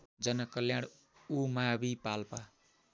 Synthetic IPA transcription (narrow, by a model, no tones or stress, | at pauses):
d͡zʌnʌkʌljaɽ | umabipalpa